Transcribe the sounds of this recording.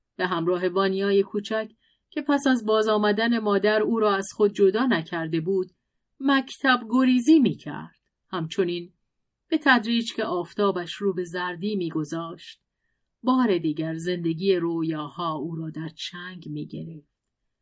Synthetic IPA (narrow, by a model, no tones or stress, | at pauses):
b̥e̞ɦæmɾɒːɦe̞vɒːnijɒːje̞kʰuːt͡ʃʰæcʰ | cʰːe̞pʰæsæzbɒːzɒːmæd̪æne̞mɒːd̪æɾuːɾɒːæz̥xo̞d̪̚d͡ʒo̞d̪ɒːnæcʰæɾd̪e̞buːd̪̥ | mæcʰt̪ʰæbɡo̞ɾiːziːmiːcʰæ̰ɾd̪̥ | hæmt͡ʃʰo̞niːn | b̥e̞t̪ʰæd̪ɾiːd͡ʒcʰeʔɒːft̪ʰɒːbæʃɾuːbe̞zæɾd̪iːmiːɡo̞zɒːʃt̪̚ | bɒːɾe̞d̪iːɟæɾze̞nd̪e̞ɡʲiːjeɾoːjɒːhɒːuːɾɒːd̪æɾt͡ʃʰæŋɡmḭːɟe̞̰ɾe̞ft̪